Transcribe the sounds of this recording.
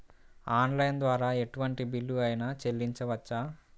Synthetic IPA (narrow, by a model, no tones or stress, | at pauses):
aːnlɐjnd̪ʋaːɾaːe̞ʈuʋɐɳʈibilːuɐjnɐt͡ʃelːiɲt͡ʃɐʋɐt͡ʃːaː